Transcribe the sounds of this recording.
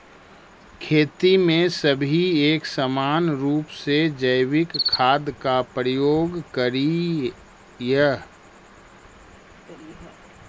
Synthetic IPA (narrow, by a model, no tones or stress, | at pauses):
kʰeːt̪imẽsəbʱieːksəmaːnɾuːpsed͡ʒəɪwɪkʰːaːd̪kapɾəjoːɡkəɾi | jə